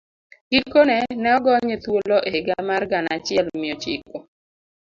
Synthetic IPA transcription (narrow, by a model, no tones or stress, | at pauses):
ɡ̥ikonɛnɛɔɡɔɲet̪woloʔeeɡamarɡanat͡ʃɪɛlmɪot͡ʃḭko